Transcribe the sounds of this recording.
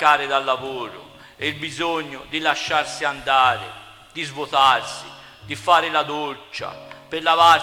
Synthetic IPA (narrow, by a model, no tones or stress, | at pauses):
aːɾɪd̪alːavoːɾʊ̰ | ilbizoɲːʊd̪ilaʃːaɾsiand̪aːɾḛ | d̪izvot̪arsi | d̪ifaːɾɪlad̪ot͡ʃːa̰perlava